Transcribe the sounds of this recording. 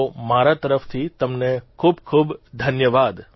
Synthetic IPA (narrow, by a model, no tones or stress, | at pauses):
maɾat̪əɾəft̪ʰit̪əmnekʰubkʰuːbd̪ʱənjəʋad̪